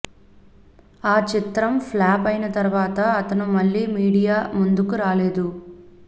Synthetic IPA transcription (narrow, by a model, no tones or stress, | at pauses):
aːt͡ʃit̪ɾɐmplaːpɐjnɐt̪ɐɾuʋaːt̪ɐɐt̪ɐnumɐɭːiːmiːɽijaːmund̪ukuɾaːleːd̪u